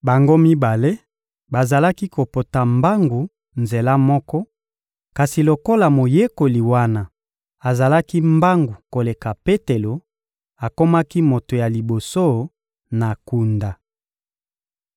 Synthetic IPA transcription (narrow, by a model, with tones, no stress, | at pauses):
ba˨ŋɡo˦mi˦ba˨le˦ | ba˨za˨la˦ki˦ko˨po˨ta˨mba˦ŋɡu˨ | nze˨la˦mɔ˦kɔ˦ | ka˨si˨lo˨ko˦la˨mo˨je˦ko˨li˨wa˦na˦˨ | a˨za˨la˦ki˦mba˦ŋɡu˨ko˨le˨ka˨pe˦te˨lo˨ | a˨ko˦ma˦ki˦mo˨to˨ja˨li˨bo˨so˦ | na˨ku˨nda˨